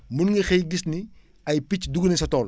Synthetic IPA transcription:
munŋɡɐxɛjɡisni | ɐjpicduɡnɛsɐtɔːl

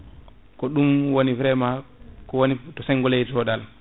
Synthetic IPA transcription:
kɔɗumwonivɾɛmakɔwonitɔsɛŋɡɔlejdɾɔɗal

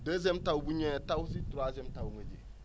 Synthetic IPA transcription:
dəzɛmtawbuɲɛtawsituɾazɛmtawŋəd͡ʒḭ

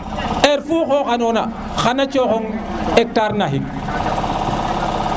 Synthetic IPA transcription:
ʔɛɾfuːxoxanɔna | xanat͡ʃoxɔŋɛk̚taɾnaɦik̚

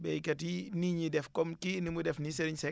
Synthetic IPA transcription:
bɛkɐtiniɲidɛfkɔmkinimudɛfniseɾiɲsɛ

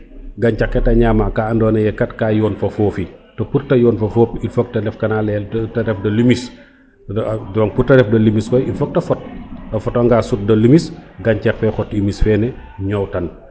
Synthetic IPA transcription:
ɡaɲt͡ʃakːɛtɐɲaːmakaːndɔːnɐjɛkɐtkaːjɔːnfɐfoːfitopuɾtɐjɔːnfɐfoːpilfok̚tɐlɛfkɐnalɛltɐɾɛfdɐlumis | dɔːŋputɐɾɛfdɐlimiskɔjilfok̚tɐfɔt̚ɐfɔtɐŋɡasut̚dɐlumisɡaɲt͡ʃakfɛxɔtːimisfɛnɛ | ɲɔwtɐn

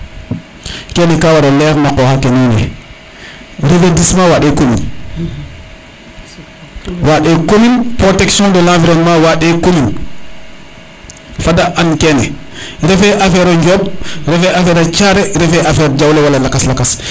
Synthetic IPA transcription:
kɛnɛkawaɾɔlɛɾnakɔhakɛninɛ̰ | ɾefedismawaɗɛkolḭn | waɗɛkolinpɾotɛksjɔ̃ndɔlãfiɾɛnmawaɗɛkolin | fadaʔankɛnɛɾɛfɛʔafɛɾɔɲd͡ʒɔbɾɛfɛʔafɛɾat͡ʃaɾɛɾɛfɛʔafɛːɾd͡ʒawlɛwalalakaslakas

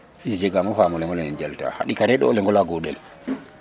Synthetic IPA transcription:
ʔid͡ʒɛɡamɔfamɔlɛŋɡɔlanɛnd͡ʒalta̰ha̰ɗikaɾɛɗɔɔlɛŋɡɔlaɡɔɗɛ̰l

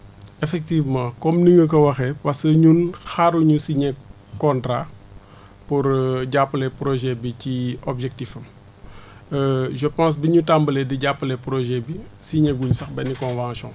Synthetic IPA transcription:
ɛfɛk̚tivmãkɔmniŋɡək̬ɐwɐxɛpɐskəɲunxaɾuɲusiɲɛ | kɔ̃ntɾa | puɾɟapːəlɛpɾɔʒɛbiciɔbʒɛk̚tifɐm | ʒəpãːs̬biɲutambəlɛdiɟapːəlɛpɾɔʒɛbisiɲɛɡuɲusɐxbɛnikɔ̃nvãsjɔ̰̃

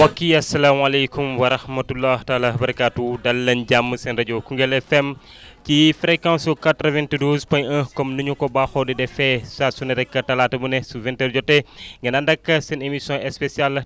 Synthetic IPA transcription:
wɐkːiɐsːɐlaːmɐlɐkumwɐɾɐhmɐtulːaːhtalahbɐɾɐkaːtudɐlːɐnɟamːɨsɛnɾɐɟokuŋɡelɛfɛm | cifɾekãnsokatɾɐvɛ̃ntidoːzpɔ̃jɐ̃kɔmnuɲukɔbaxodidɛfɛsasunɐɾɛkːɐtɐlaːtɐbunesuvɛnteɾd͡ʒɔtːeŋɡɐnandɐkːɐsɛnemisjɔ̃ʔɛspesial

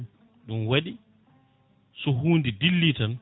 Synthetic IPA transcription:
ɗumwaɗi | sɔɦuːndidilːitan

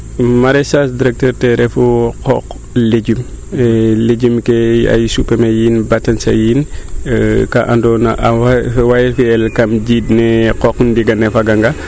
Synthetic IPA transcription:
maɾɛsasdiɾɛk̚təɾtɛɾɛfuqɔk | leɟum | leɟumkɛa̰jsupɛmejinbatɐnsɐ̰jin | kaʔandɔnaʔwajifiɛlkɐmɟidnɛqɔkndiɡɐnɛfaɡaŋɡa

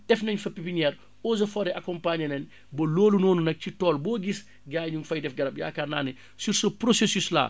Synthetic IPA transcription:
d̥ɛfnɐɲfɐpipiɲɛɾ | oːzɐfɔːɾɛʔakɔmpaːɲɐnɛn | bɔloːlunɔːnunɐk̚citɔːlbɔːɡis | ɡaːjɲuŋfɐjdɛfɡɐɾɐp̚ja̰ːkanaːnɛ | siɾsɔpɾosesysla̰ː

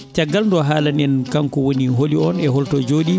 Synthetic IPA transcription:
t͡ʃaɡːalndɔɦaːlanɛnkaŋkɔwoniɦoliɔnɛɦɔltɔd͡ʒoːɗi

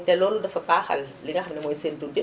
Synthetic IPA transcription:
tɛlɔːludɐfɐpaxɐ̰lliŋɡɐxɐmnɛmɔjsentudi

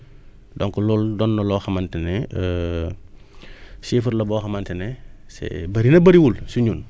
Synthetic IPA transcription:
dɔŋkɔlɔldɔnːɔlɔxɐmantɛnɛə | sifuɾlɐbɔːxɐmantɛnɛsɛ̰bɐɾinɐbɐɾiwulsuɲuːn

